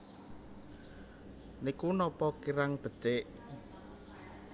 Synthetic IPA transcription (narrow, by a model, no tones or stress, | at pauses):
nikunɔpɔkiɾaŋb̥ə̤t͡ʃɪʔ